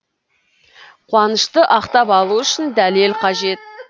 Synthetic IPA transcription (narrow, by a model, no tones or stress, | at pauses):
qʰwɑnəʃt̪əʔɑqt̪ɑpɑlˠuʏʃɪnd̪ælelqʰɑʒe̞t̪̚